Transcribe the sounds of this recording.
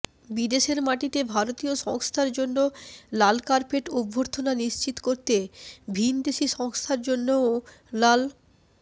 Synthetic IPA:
bid̪eʃeɾmaʈit̪ebʱaɾot̪ioʃɔŋst̪ʰaɾd͡ʑonːolalkaɾpeʈubʱːoɾt̪ʰonaniʃt͡ɕit̪koɾt̪ebʱind̪eʃiʃɔŋst̪ʰaɾd͡ʑonːo | lal

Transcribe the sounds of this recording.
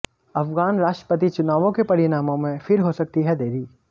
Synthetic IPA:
ɐfɡaːnɾaːʃʈɾə̥pət̪̬it͡ʃʊnaːʋõkepɐɾɪnaːmõmẽfɪɾɦosɐk̚t̪iɦɛd̪eːɾiː

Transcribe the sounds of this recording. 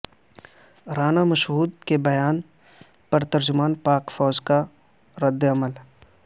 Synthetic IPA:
ɾaːnamɐʃɦuːd̪kebɐjaːn | pɐɾt̪ɐɾd͡ʒʊmaːnpaːkfɔːd͡ʒka | ɾɐd̪ːeɐməl

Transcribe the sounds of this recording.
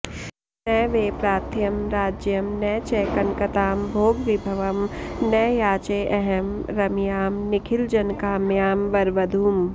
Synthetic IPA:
nɛjʋeːpɾaːt̪ʰjɐmɾaːd͡ʒjɐmnɛːt͡ʃɛːkɐnkɐt̪aːmbʱoːɡʋɪbʱɐʋɐmnɐjjaːt͡ʃeːʔɛɦɛmɾɐmjaːmnɪkʰɪld͡ʒɐnkaːmjaːmʋɐɾʋɐd̪ʱuːm

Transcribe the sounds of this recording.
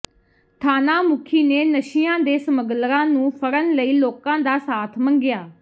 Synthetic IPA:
t̪ʰaːnaːmʊkʰiːneːnəʃijãːd̪eːsəməɡlɾãːnũːpʰəɾənləiːloːkãːd̪aːsaːt̪ʰmə̃ŋɡɪjaː

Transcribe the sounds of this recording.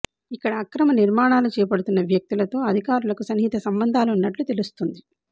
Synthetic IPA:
ikːɐɽɐːkɾɐmɐniɾmaːɳaːlut͡ʃɛːjɐpɐɽut̪unːɐʋjɐk̚t̪ilɐt̪o̞ːɐd̪ʱikaːɾulɐkusɐnɦit̪ɐsɐmbɐnd̪ʱaːluːnːɐʈlut̪elust̪und̪i

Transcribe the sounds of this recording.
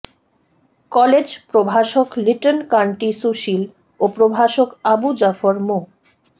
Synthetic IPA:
kɔled͡ʑpɾobʱaʃokliʈonkaɳʈisuʃil | opɾobʱaʃokabud͡ʑafoɾmo

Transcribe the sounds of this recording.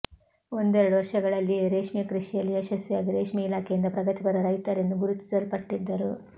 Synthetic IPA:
o̞nd̪uɛɾɐɽuʋɐɾʂɐɡɐɭɐlːiɾeːʂmijɐkɾiʂijɐlːiɐʃɐsʋiaːd̪iɾeːʂmijɐilaːkʰejind̪ɐpɾɐɡɐt̪iɡɐɾɐɾɐjt̪ɐɾenːuɡuɾut̪i̥sɐlpɐʈːid̪ːɐɾu

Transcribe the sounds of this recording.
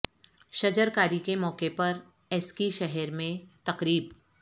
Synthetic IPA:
ʃɐd͡ʒəɾkaːɾikemɔːqepɐɾ | ɛskiʃɛɦɛɾmẽt̪ɐqɾiːb

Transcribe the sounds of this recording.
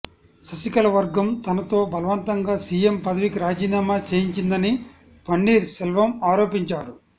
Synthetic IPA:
sɐsikɐlɐʋɐɾɡɐmt̪ɐnɐt̪o̞ːbʱɐlɐʋɐnt̪ɐŋɡaːsiːjempɐd̪ɐʋikiɾaːd͡ʒiːnaːmaːt͡ʃeːjiɲt͡ʃind̪ɐni | pɐɳɖiːɾsɛlʋɐmaːɾo̞ːpiɲt͡ʃaːɾu

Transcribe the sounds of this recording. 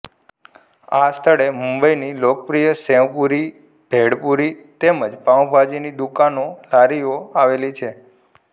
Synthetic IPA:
ast̪ʰəɭemumbəinilokəpɾijəsɛ̃ʋpuɾi | b̥ʱeɽpuɾit̪eməd͡ʒpãwbʱad͡ʒinid̪ukanolaɾioaʋelit͡ʃʰe

